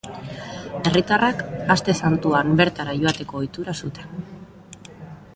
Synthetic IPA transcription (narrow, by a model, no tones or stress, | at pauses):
e̞rit̪arakast̪e̞sant̪uambe̞ɾt̪aɾaʝo̞at̪e̞ko̞ːjt̪uɾasut̪en